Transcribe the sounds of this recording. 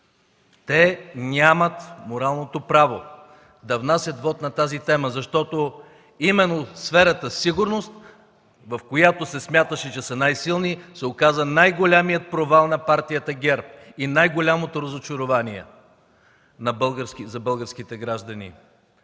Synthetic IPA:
t̪ɛnʲamət̪moɾalˠnot̪opɾavo | d̪ɐvnasʲət̪vɔt̪nɐt̪azit̪ɛməzɐʃt̪ɔt̪o | imɛnːosfɛɾət̪əsiɡʊɾnost̪ | vɐfkojat̪osɛsmʲjat̪əʃɛt͡ʃɛsənajsilˠnisɛokazɐnajɡolʲamijət̪̚pɾovalˠnɐpaɾt̪ijət̪əɡʲɛɾp̚inajɡolʲamot̪oɾəzot͡ʃoɾovaniɛ̰ | nɐbəlˠɡəɾskizɐbɤlˠɡəɾsk̟it̪ɛɡɾaʒd̪ɐnḭ

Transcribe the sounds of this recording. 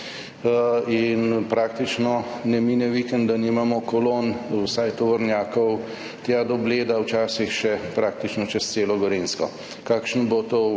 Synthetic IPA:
inpɾaːk̚t̪it͡ʃnɔ | nɛminɛʋikɛnd̪d̪animamɔkɔlonwsajt̪ɔʋɔɾnjaːkɔw | t̪jad̪ɔbleːd̪awt͡ʃaːsixʃɛpɾaːkt̪it͡ʃnɔt͡ʃɛst̪seːlɔɡɔɾeːnskɔ̰ | kaːkʃnbot̪o

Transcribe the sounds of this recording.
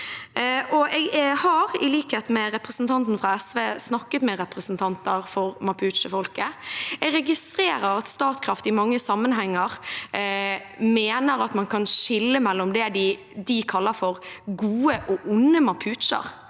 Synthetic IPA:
ʔɔɛɡhɑɾɪliːkheːt̪mɛɾɛpɾəsn̩t̪ʰɑnt̪n̩fɾɑɛsʋeːsnɑkːət̪mɛɾɛpɾəsnt̪ʰɑnt̪əɾfɔɾmɑpʰʉːt̪t͡ʃəfɔlkəɛɡɾɛɡɪst̪ɾeːɾəɾɑt̪st̪ɑːt̪kʰɾɑft̪ɪmɑŋːəsɑmənɦɛŋːəɾ | meːnəɾɑt̪mɑnkʰɑnʃɪlːəmɛlːɔmd̪ɛd̪ɪ | d̪ɪkʰɑlːəɾfɔɾɡuːəʔɔʔʊnːəmɑpʰʉːt̪ʃə̰ɾ

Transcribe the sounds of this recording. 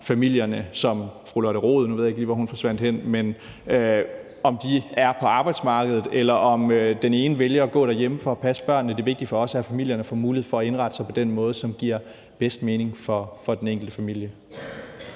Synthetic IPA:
fæmil̰jɐnəsɒ̽mfʁulɒɾəʁo̝ːð̞ˠnuʋe̝ð̰ˠjeɡ̥liːʋɒɦunfɒ̽sʋæn̰d̥hen̰men | ø | ɒ̽md̥iæɐpʰɒ̽ɑ̈ːb̥ɑ̈ɪd̥smɑ̈ːɡ̥əð̩ˠelɐʔɒ̽mød̥ene̝ːnəʋeljɐɒɡ̥ɔ̰̽ːɾ̥æɐjeməfɒɒpʰæsəb̥ɶɐ̰nːəd̥e̝ʋe̝ɡ̥̚d̥i̥fɒ̽ɒ̽sæhæɐfæmil̰jɐnəfɒmuːliheð̩̰ˠfɒ̽ːe̝nʁɑ̈d̥əsäɪpʰɒ̽d̥enmɔ̽ːð̞̩ˠsɒ̽mɡ̥iɐ̰ | b̥esd̥̚me̝ːne̝ŋfɒfɒ̽d̥eneŋɡ̥l̩d̥əfæmil̰jə

